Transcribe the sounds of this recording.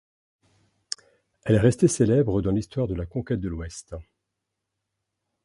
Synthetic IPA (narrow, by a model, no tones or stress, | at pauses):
ɛlɛʁɛst̪eselɛbʁəd̪ɑ̃list̪waʁd̪əlakɔ̃kʲɛt̪̚d̪əlwɛst̪